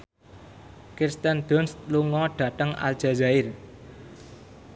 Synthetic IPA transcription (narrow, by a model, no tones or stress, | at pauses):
kirst̪ənd̪̥ɔnst̪luŋɔɖ̥ä̤t̪əŋa̰ld̥ʒ̥a̤zaɪr